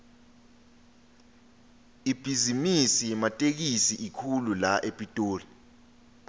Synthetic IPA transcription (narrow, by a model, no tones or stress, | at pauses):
ib̥ʱizimisiɛmatʼek̬isiʔikʰululaʔepʼitʼoːli